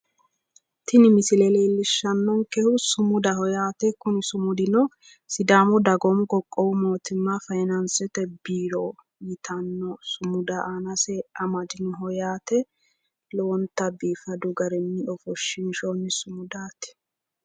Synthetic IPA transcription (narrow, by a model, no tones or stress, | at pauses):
t̪ɪnɪmɪsɪlɛleːlːɪʃːɐnːɔŋkɛhʊsʊmʊd̪ɐhɔjaːt̪ɛkʊnɪsʊmʊd̪ɪnɔ | sɪd̪aːmɔd̪ɐɡɔmɡɔkʼːɔwʊmo̞ːt̪ɪmːɐfɐjnɐnsɛt̪ɛbiːɾo | jɪt̪ʰɐnːɔsʊmʊd̪ɐʔaːnɐsɛɐmɐd̪ɪnɦɔjaːt̪ɛ | lɔwɔnt̪ɐbiːfɐd̪ʊɡɐɾɛnːɪɔfɔʃːɪnʃɔnːɪsʊmʊd̪aːt̪ɛ̥